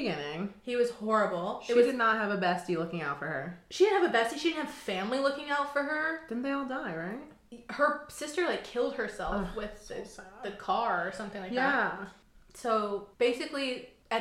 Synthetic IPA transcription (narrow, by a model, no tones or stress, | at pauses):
ɨɡɪ̃nɪ̃ŋhiwʌz̥hɔɹɨbl̩ˠʃɪt̚idɨdⁿnət̚ɦɨvɨbɛstilʊkɪ̃ŋaʊtfə˞ə˞ʃidɪdⁿn̩hɨvɨbɛstiʃidɪdn̩ɨv̥fæ̃mlilʊkɪ̃ŋaʊtfə˞ə˞ðɨ̃nðeɪɔlˠdaɪɹaɪt̚ | hə˞sɪstə˞laɪkʰɪlˠd̚hə˞sɛlˠfwɪððɨkʰɑɹsʌ̃mθɪ̃ŋlaɪjæ | soʊb̥eɪsɨkli | ɨ